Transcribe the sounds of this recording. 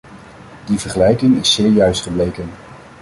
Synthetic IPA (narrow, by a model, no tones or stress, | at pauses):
divəɹχəlɛjkɪŋɪsːɪːɹjœɥstχəblejkən